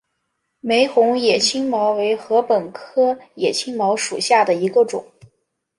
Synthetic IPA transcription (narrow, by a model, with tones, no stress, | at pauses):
me˧˥ɪxʊ˧˥ŋjɛ˨˩t͡ɕʰi˥ŋmɑ˧˥ʊwe˧˥ɪxɤ˧˥pə˨˩nkʰɤ˥jɛ˨˩t͡ɕʰi˥ŋmɑ˧˥ʊʂu˨˩ɕja˥˩d̪ə˩i˧˥ɡə˧ʈ͡ʂʊ̰˨˩˦